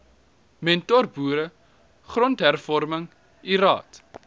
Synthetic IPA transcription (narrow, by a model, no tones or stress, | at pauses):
mɛntɔrbuːɾə | χrɔntɦærfɔrməŋ | iɾɑ̰ːt